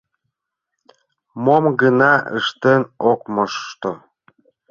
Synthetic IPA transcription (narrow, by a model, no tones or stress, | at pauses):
momɡənɑʔə̰ʃt̪enok̚məʃt̪o